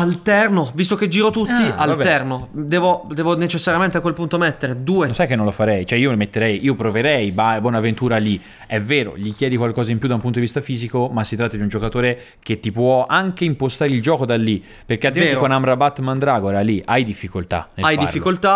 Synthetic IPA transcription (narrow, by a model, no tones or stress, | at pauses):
alt̪ɛrnovist̪oked͡ʒiːɾot̪ut̪ːialt̪ɛrnod̪ɛːvod̪ɛːvonet͡ʃesːaɾjament̪eakwelpunt̪omɛt̪ːeɾed̪uːensajkenːõnlofaɾɛjt͡ʃoɛiːomet̪ːeɾɛjiːopɾoveɾɛjbaebwɔːnavent̪uːɾali | ɛvːeːɾo̰ʎikjɛːd̪ikwalkɔːzaimpjud̪aumput̪od̪ivist̪afiːzikomasːit̪ɾat̪ːad̪iund͡ʒokat̪oːɾe | k̟et̪ːipwɔaŋk̟eimpost̪aːɾeild͡ʒɔːkod̪alːi | perk̟ealiẽkonamɾabat̪ːmand̪ɾaːɡoɛɾalːiʔajd̪ifːikolt̪a̰nelajd̪ḭa̰ɾfːikolt̪a